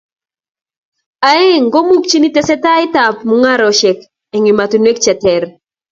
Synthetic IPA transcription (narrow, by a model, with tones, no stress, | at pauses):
a˨e˦ŋɡo˦mu˦k̚t͡ʃi˦ni˦tɛ˨sɛ˦ta˦ɪ˦ta˨pmu˨ŋa˦ɾɔ˨ʃɛ˨k | ɛ˨ŋi˨ma˨tu˨nwe˦k̚t͡ʃɛ˨tɛ˨ɾ